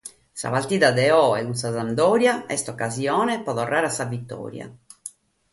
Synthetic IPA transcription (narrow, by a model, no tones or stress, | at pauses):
sa̰valt̪iːðad̪ɛɔɛuns̬azand̪ɔːɾjaɛst̪ɔkːazjɔːnɛpɔðɔrːʔaːɾasːavit̪ːɔ̰ːɾja̰